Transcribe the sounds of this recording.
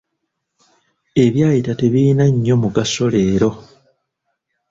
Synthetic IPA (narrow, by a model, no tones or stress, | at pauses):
e̞βjaːjitate̞βinaɲːo̞muɡaso̞le̞ːɾo̞